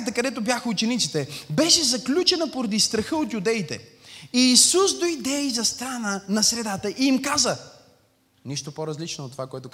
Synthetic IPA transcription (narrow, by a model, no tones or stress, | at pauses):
t̪əkɐd̪ɛt̪objaxəut͡ʃɛnit̪sit̪ɛbɛʃɛzɐklʲut͡ʃɛnəpoɾɐd̪ist̪ɾɐxəot̪jud̪ɛit̪ɛ̰ | iːsusd̪oid̪ɛizɐst̪ɾanənɐsɾɛd̪at̪əʔiimkazə | niʃt̪opoɾɐzlit͡ʃnoot̪ːovakoɛt̪ok